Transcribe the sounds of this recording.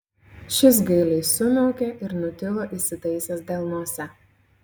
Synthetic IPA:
ʃʲɪs̬ɡɐɪlʲɛɪsʊmʲɛʊkʲeʔɪɾnʊt̪ʲɪlˠoːʔɪsʲɪt̪ɐɪsʲɛsd̪ʲɛlˠnuɔsʲɛ

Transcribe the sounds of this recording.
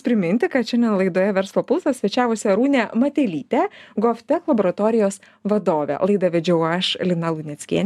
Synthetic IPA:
pʲɾʲɪmʲɪnʲt̪ʲɪkɐt̪ʃʲɛnd̪ʲɛnlˠɐɪd̪oːjɛʋʲɛɾslˠoːpʊlˠsɐsʲʋʲɛt͡ʃʲæːʋʊsʲɛɾuːnʲemɐt̪ʲɛlʲiːt̪ʲɛɡofʲt̪ʲɛklˠɐboːɾɐt̪oːɾʲɪjoːs | ʋɐd̪oːʋʲɛ̰lˠɐɪd̪ɐʋʲɛd͡ʒʲɛʊɐʃlʲɪnɐlˠunʲɛt̪sʲkʲḭɛnʲ

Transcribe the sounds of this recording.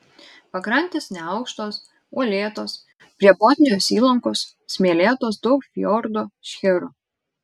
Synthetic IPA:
pɐkɾɐnʲt̪ʲeːsnʲɛɐʊkʃt̪oːs | uɔlʲeːt̪oːs | pʲɾʲiɛbɔːt̪ʲnʲɪjoːsiːlˠɐŋkoːs | sʲmʲeɛlʲeːt̪oːsd̪ɔʊkfʲjɔɾd̪oːʃʲxʲɪɾʊ

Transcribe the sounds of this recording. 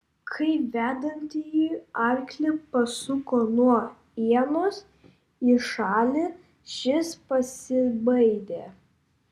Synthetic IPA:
kʰɐɪʋʲæːd̪ɐnʲt̪ʲijiːɐɾʲklʲɪpɐsʊkoːnuɔ | iɛnoːs | iʃɑːlʲɪ | ʃʲɪspɐsʲɪbɐɪd̪ʲeː

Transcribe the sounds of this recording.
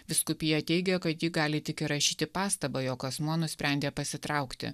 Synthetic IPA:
ʋʲɪskʊpʲijɛt̪ʲɛɪɡʲɛkɐt̪jiɡɑːlʲɪt̪ʲɪkʲɪɾɐʃʲiːt̪ʲɪpɑːst̪ɐbɐjoːkɐsmuɔnʊsʲpʲɾʲɛˑnʲd̪ʲeːpɐsʲɪt̪ɾɑˑʊkt̪ʲɪ̰

